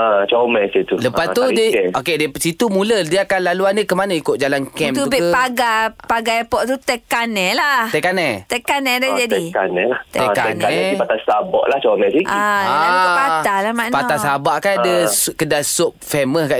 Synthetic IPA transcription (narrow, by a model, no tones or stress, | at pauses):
ət͡ʃomɛsit̪uləpast̪udiokedisit̪umulədiakanlaluandəkəmanaikʊt̪ʔ̚d͡ʒalankɛ̃mt̪utubipaɡapaɡaɛpɔʔt̪ut̪ɛkanɛ̃lah̪ɛkanɛt̪ɛkanɛ̃dad͡ʒadɛkanɛlat̪ɛka̰ɛnaɛɛpat̪asabɔ̰ʔlaht͡ʃomɛsiaapatalamanpaasabaʔkanadəskədasop̚fɛməhkaʔ